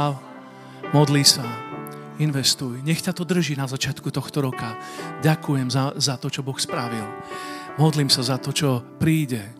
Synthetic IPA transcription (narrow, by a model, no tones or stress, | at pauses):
mɔd̪lisa | inʋɛst̪ujɲɛxcat̪ɔd̪r̩ʒinazat͡ʃɪat̪kut̪ɔxt̪ɔɾɔkaɟakujɛmzazat̪ɔt͡ʃɔbɔxspɾaʋilmɔd̪liːmsazat̪ɔt͡ʃɔpɾiːɟɛ